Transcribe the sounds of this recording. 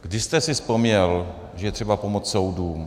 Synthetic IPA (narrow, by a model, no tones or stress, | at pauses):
ɡ̥dɪʃst̪ɛsɪspomɲɛl | ʒɛjɛt̪r̥ɛbapo̞mot͡sso̞wduːm